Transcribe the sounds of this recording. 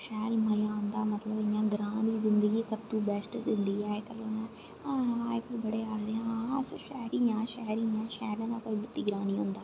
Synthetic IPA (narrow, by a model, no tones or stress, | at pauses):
ʃɛːlməjãːʊ̃nd̪aːmət̪ləbɪjãːɡɾaːniːzɪnd̪əɡiːsəb̚t̪ũːbɛsʈzɪ̃nd̪iːɛːkəlõːnãː | aekəbəɽeːaːd̪eãsoʃɛːɾiːjãːʃɛːɾiːjãːʃɛːlãːnãːkoːiːbət̪ːiːɡɾãːniːɦʊnd̪aː